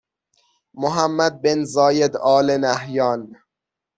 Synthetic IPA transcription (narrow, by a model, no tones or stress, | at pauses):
moɦæmːæd̪̚benzɒːjed̪ɒːlenæhjɒːn